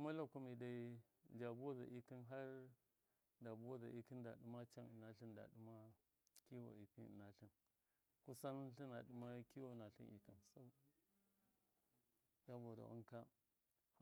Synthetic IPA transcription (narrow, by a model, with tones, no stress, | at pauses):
u˦ma˦la˨ku˦mi˨da˨˦ | d͡ʒa˨bu˦a˦za̰˨ʔi˦ki˦nɦa˦ɾ | da˨bu˦wa˦za˨ʔi˦ki˦nda̰˨ɗu˦ma˦t͡ʃa˦ni˨na˨ɬi˦nda̰˨ɗu˦ma˦ | ki˦wo̰˨i˨ki˦ḭ˨na˨ɬi˨n | ku˦sa˦n˦ɬi˦na̰˨ɗu˦ma˦ki˦wo˦˨na˨ɬi˦ḭ˨ki˨nso˦ | ja˦bo˨da̰˨ṵ˦ŋka˦